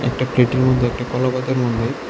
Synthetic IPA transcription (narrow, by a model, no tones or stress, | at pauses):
ɛ̰k̚ʈapleʈeɾmod̪ʱːeɛk̚ʈakɔlabad̪aɾmod̪ʱːe